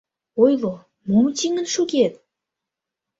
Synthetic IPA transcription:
ojlo | momt͡ɕiŋə̆nʃuɣet̪̚

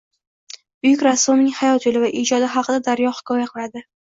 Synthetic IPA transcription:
b̥ʊjʊkʲɾasːʊmnɪŋhajɒt̪jolɪvaʔɪd͡ʒɒd̪ɪɦɑqʰɨd̪ad̪aɾjɒhɪ̥kʰɒjaqʰɨlˠad̪ɪ

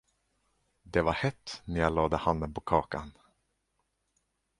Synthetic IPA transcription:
d̪ɛvaɾhɛt̪ːnɛjalɑːd̪əhand̪ənpʰɔkʰɑːka̰n

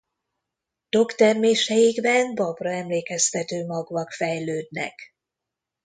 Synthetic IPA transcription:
d̪̥o̞kt̪ɛrmeːʃɛjiɡbɛnbɒbrɒɛmleːkɛst̪ɛt̪øːmɒɡvɒkfɛjløːd̪nɛ̰k

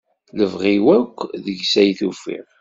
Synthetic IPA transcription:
ləvʁiwækʷːðəʝsæjθufḭʁ

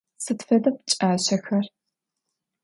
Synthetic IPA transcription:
sɨtfɐdɐpt͡ʃʼaːɕɐxɐr

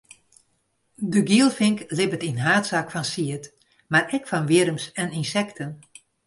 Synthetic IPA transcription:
dəɡiəlˠfɪŋklɪbətinɦaːtsakfɔnsiət | marɛkfɔnʋiəɾəmsɛninsɛktʰən

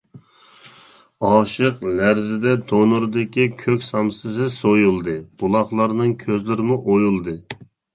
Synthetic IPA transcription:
ɑːʃɨqlæɾzɪd̪ɛd̪onuɾd̪ɪkʲikʲʰøkʲsɑmsɨzɪsojulˠd̪ɨb̥ulˠɑχlˠɑɾnɨŋkʲʰøzlɪɾɪmuʔojulˠd̪ɨ

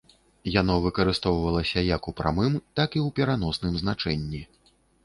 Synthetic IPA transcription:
janɔvɨkɐɾɨst̪ɔwvɐlˠɐsʲɐjɐkupɾʔa̰mɨmt̪akiwpʲɛɾanɔsnɨmznat͡ʂɛnʲːi

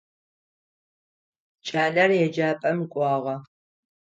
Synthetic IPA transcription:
t͡ʃʼaːlɐrjɛd͡ʒaːpʼɐmkʷʼɑːʁɐ

